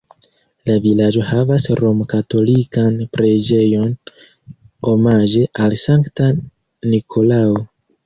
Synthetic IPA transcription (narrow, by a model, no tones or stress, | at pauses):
lavilad͡ʒo̞havasɾo̞mkato̞likanpɾed͡ʒe̞jo̞n | o̞maʒe̞ʔalsaŋkta | nikʰo̞lao